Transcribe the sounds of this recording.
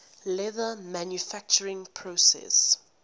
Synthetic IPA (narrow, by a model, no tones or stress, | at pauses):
lɛðəmãnjufak̚t͡ʃəɹɪ̃ŋpʰɹosɛ̰s